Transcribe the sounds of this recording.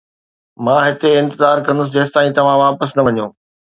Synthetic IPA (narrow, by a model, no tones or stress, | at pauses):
mãːɦɪt̪eɪ̃nt̪ɪzaːɾkɐ̃nd̪ʊs̬ɪd͡ʑeːst̪aːĩt̪ɐʋ̤ãʋaːpəsnɐʋɐɲõː